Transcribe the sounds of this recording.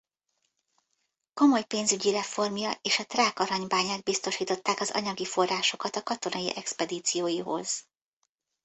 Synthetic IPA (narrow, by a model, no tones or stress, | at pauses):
ko̞mo̞jpeːnzyɟiɾɛfo̞rmjɒʔeːʃɒt̪raːkɒɾɒɲbaːɲaːɡ̪̚bist̪o̞ʃiːt̪o̞t̪ːaːkɒzɒ̰ɲɒɡifo̞rːaːʃo̞kɒt̪ɒkɒt̪o̞nɒjiʔɛkspɛd̪iːt̪sijoːjiɦo̞̰z̥